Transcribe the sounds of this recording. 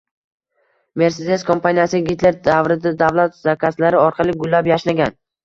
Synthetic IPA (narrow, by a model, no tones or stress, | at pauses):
me̞ɾsed̪eskʰo̞mpʰanijasɪɡʲit̪le̞ɾd̪avɾɪd̪ad̪avlˠat̪zakʲʰaslaɾɪɒɾqʰɑlˠɪɡʊlːapjaʃlaɡʲan